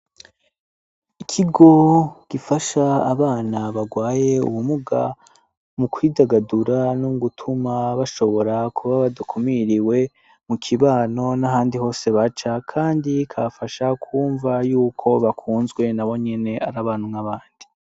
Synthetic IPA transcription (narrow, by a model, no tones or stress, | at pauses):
ikʰiɡo̞ɡ̥ifaʃaːβaːnaβaɡwaːje̞ṵwumuɡa̰ | mukʰwiːdaɡaduɾanuɡutʰumaβaʃo̞βo̞ɾakʰuβaβadukʰumiɾiwe̞ | mukʰiβaːno̞naɦaːndiho̞ːse̞βat͡ʃakʰaːndikʰafaʃakʰuːɱvajuːkʰo̞βakʰuːnzɡwe̞naβo̞ɲe̞ne̞ʔaɾaβaːnumŋaβaːndi